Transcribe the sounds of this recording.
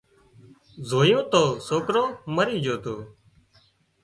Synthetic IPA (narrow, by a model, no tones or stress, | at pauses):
zoːjõːt̪oːsoːkɾõːməɾiːd͡ʒoːt̪oː